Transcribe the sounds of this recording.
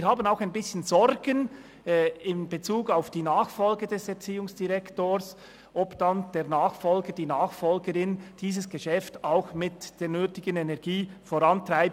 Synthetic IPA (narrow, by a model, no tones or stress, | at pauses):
hɦaːbənaʊxaɪnbɪsçənzɔɾɡənː | ɪnbet͡suːɡaʊfd̥iːnaːxfɔlɡədɛsɛʁt͡siːʊŋsd̥iʁɛktoːɾs | ʔɔpd̥and̥eːʁnaːxfɔlɡəd̥iːnaːxfɔlɡəɾɪnd̥iːsəsɡ̥əʃɛftaʊxmɪtd̥eːɾnøːtɪɡənɛnɛɐɡ̥iːfoɾɑntʁ̥aɪp